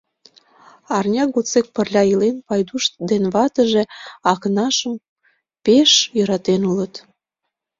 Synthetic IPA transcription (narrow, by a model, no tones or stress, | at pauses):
ɑrnʲɑɡot͡sek̚pərlʲɑilenpɑjd̪uʃd̪enβɑt̪əʒe̽ɑknɑʃəm | peʃjəɾɑt̪enulət̪